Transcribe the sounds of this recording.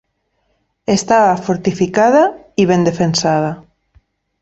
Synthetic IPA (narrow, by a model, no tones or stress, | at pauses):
est̪aβafoɾt̪ifikaða | iβend̪efensað̞a